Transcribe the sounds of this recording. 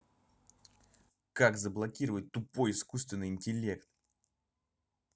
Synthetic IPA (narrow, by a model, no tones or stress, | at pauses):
kakzəblˠɐkʲiɾəvət̚ʲt̪ʊpo̞jɪskust̪vʲɪnːɨjɪnʲtʲɪlʲe̞kt̪